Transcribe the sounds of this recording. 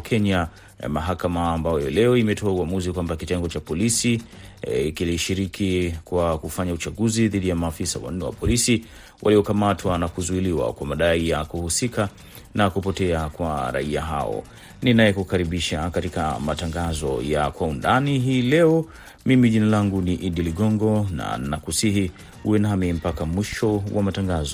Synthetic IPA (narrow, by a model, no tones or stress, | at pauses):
kʰɛɲa̰ | maɦakamaːmbajɔlɛɔimɛtʰɔauamuzikwambakitɛŋɡɔt͡ʃapɔlisi | kiliʃiɾikʰikwakufaɲaut͡ʃaɠuziðiɗijamaːfisa̰wa̰n̩nɛwa̰pɔlisi | wʔa̰liɔkamatwanakuzuiliwa̰kwamaɗaijakuhusika | nakupɔtɛakwaɾa̰ia̰ɦa̰ɔ̰ | ninajɛkukaɾiɓiʃakatikamataŋɡazɔ̰jakwaundaniɦiːlɛɔ | mimiʄinalaŋɡuniʔiɗiliɠɔŋɡɔna̰nakusiɦi | huwɛnamim̩pakamwiʃɔwamataŋɡazɔ